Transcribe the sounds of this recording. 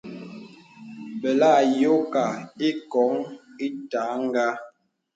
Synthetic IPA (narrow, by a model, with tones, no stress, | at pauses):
bɛ˨la˦˨jo˦ka˨i˦kɔ˨˦ŋi˦ta˨˦ŋ˦ɡa˦